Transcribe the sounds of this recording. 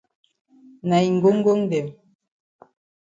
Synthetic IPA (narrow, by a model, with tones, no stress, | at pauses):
na˨i˨ŋ̩˨ɡo˦ŋ̩˦ɡo˦ŋ̩˦dɛ˨m